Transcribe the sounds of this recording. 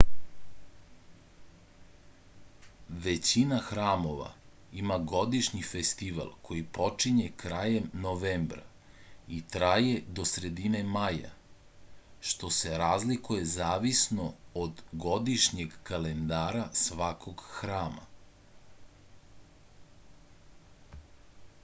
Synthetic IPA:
ʋe̞t͡ɕinaxɾaːmo̞ʋa̰ | imaɡo̞d̪iʃɲifest̪iʋa̰lˠkʰo̞jipo̞t͡ʂiɲekɾaːjemnoʋeːmbɾa̰ | it̪ɾaje̞d̪o̞sɾe̞d̪inemaja̰ | ʃt̪o̞se̞ɾaːzlikuje̞zaːʋisno̞od̪ɡo̞d̪iʃɲeɡkalend̪aːɾasʋakʰo̞ɡxɾaːma̰

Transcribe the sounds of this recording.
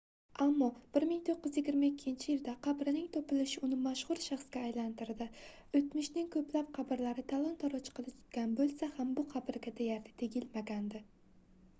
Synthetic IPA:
amːɒb̥ɪɾmɪŋt̪ʰoqːɪzjɪɡʲɪɾmaɪkʲʰːɪnt͡ʃʰɪjɪld̪aqʰɑbɾɪnɪŋt̪ʰɒpɪlɪʃɪʊnɪmaʃχʊɾʃaχsɡʲaːjlant̪ɪɾd̪ɪ | ɵt̪mɪʃnɪŋkʰɵplap̚qʰɑbɪɾlaɾɪt̪ʰalˠɒnt̪ʰɒɾɒt͡ʃʰqʰɨlˠɪt̪ʰʊ̥t̪ɡʲanbolˠsahambʊqʰɑbɪɾɡʲad̪ajaɾlɪt̪ʰeɡʲɪlmaɡʲand̪ɪ

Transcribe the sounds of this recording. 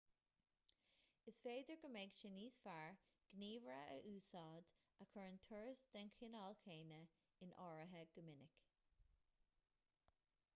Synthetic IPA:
ɪsfeːd̪əɹɡəmɛɡʃɪniːsfaɹɡ̥niːvɹəʔə̰ʔuːsɑːd̪ | əkʰəɹnt̪ʰɔɹsd̪̥ɛŋkʰɪnɑːlkʰeːnə | ɪnʔɔːɹəɦəɡ̥əmɪnɪk

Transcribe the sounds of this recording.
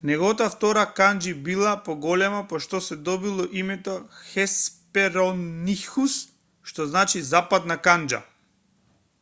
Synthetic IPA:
nɛɡɔt̪aft̪ɔɾakand͡ʒibilˠapɔɡɔlɛmapɔʃt̪ɔsɛd̪ɔbilˠɔʔimɛt̪ɔxɛspɛɾɔnixus | ʃt̪ɔznat͡ʃizapad̪nakand͡ʒa̰

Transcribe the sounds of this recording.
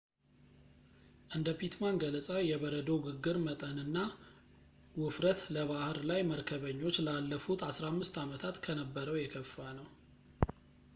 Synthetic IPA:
ʔɨnd̪əpit̪manɡələsʼawjɛβəɾəd̪owɡɨɡːɨɾmət̪ʼənɨnːa | wʊfɾət̪ləβahɾlajməɾkʰəβəɲːo̞t͡ʃːlalːəfut̪ʰasɾamːɨst̪amət̪ʰat̪kʰənəbːəɾəwjɛkʰəfːanəw

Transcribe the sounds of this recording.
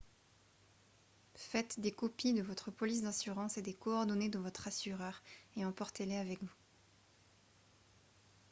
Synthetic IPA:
fɛt̪d̪ekɔpid̪əvɔt̪χəpɔlis̬d̪ɛ̃syʁɑ̃sed̪ekɔːʁd̪ɔned̪əvɔt̪χasyʁœʁeɑ̃pɔʁt̪eleavɛkvu

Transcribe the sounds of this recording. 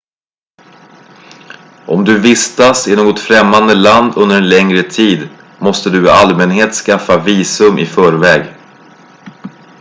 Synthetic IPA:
ʔɔmd̪ɵvɪst̪asɪnoːɡɔt̪fɾɛmːand̪əland̪ɵnd̪əɾɛnlɛŋɾət̪ʰiːd̪ | mɔst̪əd̪ɵɪalmɛnheːt̪skafːaviːsɵmʔɪ̰fœːɾvɛːɡ

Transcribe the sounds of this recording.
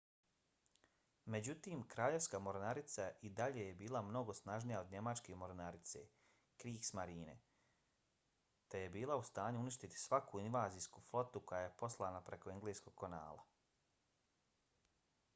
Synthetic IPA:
me̞d͡ʑut̪iːmkɾaːʎe̞ʋskamo̞ɾnaɾit̪saʔid̪aʎejebiːlamno̞ɡo̞snaʒnijao̞d̪ɲe̞mat͡ʃkeːmo̞ɾnaɾit̪se̞̰ | kɾiːɡsmaɾiːnḛ | t̪e̞je̞biːlˠaust̪aːɲuuniʃt̪it̪i̥sʋakuinʋaːziːskuːflˠo̞t̪uko̞jajepo̞slˠaːnapɾe̞koeŋɡleːsko̞ɡ̚kona̰ːlˠa̰

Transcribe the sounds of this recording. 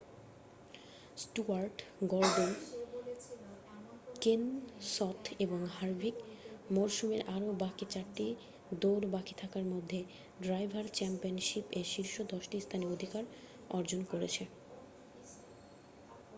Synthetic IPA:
sʈuaɾʈɡɔɾɖen | kensɔt̪ʰeboŋɦaɾbʱikmoɾʃumeɾʔaɾobakit͡ɕaɾʈːi | d̪oɾbakit̪ʰakaɾmod̪ʱːe | ɖɾajbʱaɾt͡ɕɛmpionʃipeʃiɾʃod̪ɔʃʈist̪ʰaniood̪ʱikaɾ | ɔɾd͡ʑonkoɾet͡ɕʰe

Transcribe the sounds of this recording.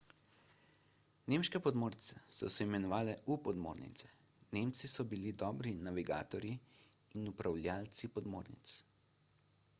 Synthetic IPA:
neːmʃkɛpɔd̪moːɾt̪sɛsɔ̰sɛimɛnɔʋaːlɛʔupɔd̪mo̰ːɾnḭt̪sɛ̥ | neːmt̪sisɔbilid̪ɔːbɾinaʋiɡa̰ːt̪ɔɾji | inupɾawlʲjaːlt̪sipɔd̪moːɾnḭt̪s

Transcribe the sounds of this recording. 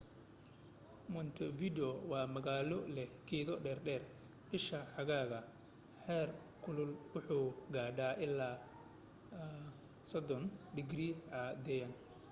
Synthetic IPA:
mɔnt̪ʰɔvidɔwɑːmɐɣaːlɔlɛɡʰɛːðɔɖɛːrɖɛːr | b̥ɪʃɐħɑɣaːɣɐ | ħɛːr | kʰʊlʊlwʊħuːɡaːɖaːʔɪlːaː | sɔd̪ɔnɖɪɡɾiːʕɑd̪ɛjɐn

